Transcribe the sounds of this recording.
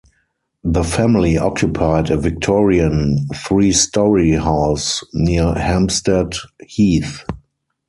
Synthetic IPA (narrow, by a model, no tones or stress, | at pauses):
ðəfæ̃mɪliʔɔkʰjʊpʰaɪdəvɪk̚tʰɔɹiə̃nθɹiːstɔɹihaʊsniəhæ̃mstɛdhiːθ